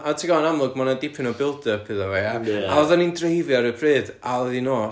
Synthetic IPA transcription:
atʰiɡanamlˠʊɡmɔnadɪpʰɪnɔbɪlˠdəpʰɨðaveaaɔðanindrejvjaɾəbrɨːdaəðinoː

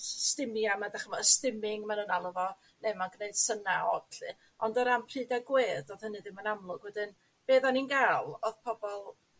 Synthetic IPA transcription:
stɪmjamadaχəmɔəstɪmɪŋmanuːnalˠəvɔ | nemaɡnejd̥sənaɔdɬɨ | ɔndəɾampʰr̥ɨːdaɡweːdɔðhənɨðɪmanamlˠʊɡ̥wɛdɨn | b̥eːðaninɡalˠoðpʰɔbɔlˠ

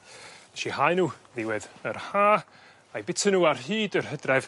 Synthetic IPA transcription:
ɛʃihaɨnuːðɪwɪðərhaː | ajbɪtʰənuːarɦiːdərɦədrɛv

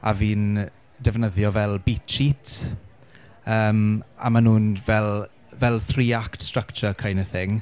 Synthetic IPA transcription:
a̰viːn | dɛvnəðjɔvɛlˠbitʰt͡ʃitʰ | əːma̰manuːnvɛlˠ | vɛlˠθriːaktstrəkt͡ʃəkʰajnəθɪŋ

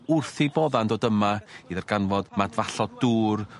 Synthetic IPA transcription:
ʊrθibɔðandoːdəmaiðarɡanvɔdmadvaɬɔduːr

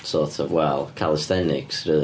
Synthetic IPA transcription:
sɔːˑtəvwɛlˠkʰalˠɪstɛnɪ̰ksɹə

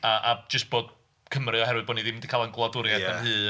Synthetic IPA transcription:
aʔad͡ʒəst̚b̥oːd̥ | kʰəmrɨɔɦɛɾwɨðbɔniðɪmɪndi̥kʰaːlˠənɡlˠadʊɾjaahɨː

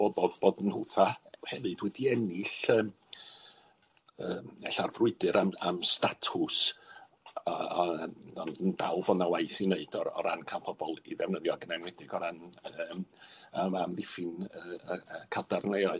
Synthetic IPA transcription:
b̥oboːdboːdənhʊθahɛvɨdwɛdiɛnɪɬəːm | əːmɛɬarvrʊɨdɨɾʔama̰mstatʰʊs | a | anənd̥alˠvɔnawajθineɨdɔɾɔ̰ɾa̰nkʰanpʰɔbɔlˠḭðɛvnəðjɔɡənɛnwɛdɪɡɔɾanəːmaamðɪfɨnəkʰadarnejɔɨ

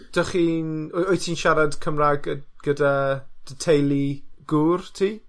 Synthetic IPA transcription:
d̥əχiːnɔjtʰiːnʃaɾad̥kʰəmraɡɡ̥ədad̥ətʰejlˠiɡ̥uːrtʰiː

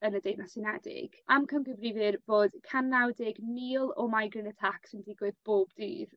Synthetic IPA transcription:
ənədejnasɪnɛdɪ̰ɡ̥amkʰəmɡəvrɪvɨrvoːd̥kʰanːawdɪɡmiːlˠɔmajɡrɪnətʰaksɪndɪɡwɨðb̥oːbdḭːð

